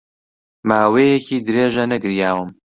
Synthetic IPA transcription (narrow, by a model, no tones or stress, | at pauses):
maːwejɛcʰiːd̪ɨɾeːʒɐnɐɡɨɾjaːwɨm